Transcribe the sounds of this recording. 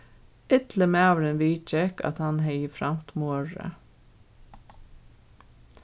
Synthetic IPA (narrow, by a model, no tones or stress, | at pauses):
ɪt̪ləmæːʋɾɪnʋiːt͡ʃɛka̰t̪hanɦɛjəfɾam̥t̪moːɹə̰